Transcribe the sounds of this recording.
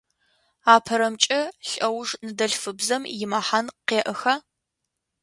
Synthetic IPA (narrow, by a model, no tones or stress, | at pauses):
aːpʰɐɾɐmt͡ʃʼɐɬʼɐwʐnɨdɐɬfɨbzɐmjɪmɐħanqeːʔəxɐ